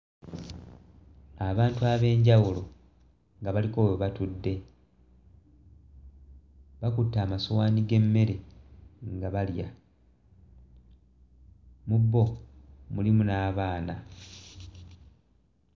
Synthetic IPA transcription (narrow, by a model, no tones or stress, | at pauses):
aβaːntuaβe̞ːɲɟawulo̞ | ŋɡaβaliko̞ːjoβatudːe̞ | βakutːaːmasowaːniɡe̞mːe̞ɾe̞ | ŋɡaβalja | mubːo̞mulimunaːβaːna